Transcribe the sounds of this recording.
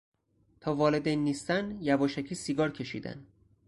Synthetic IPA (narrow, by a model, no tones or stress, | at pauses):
t̪ʰɒːvɒːle̞d̪ejnːiːst̪ænjævɒːʃæcʰiːsiɡɒːɾcʰe̞ʃḭːd̪æ̰n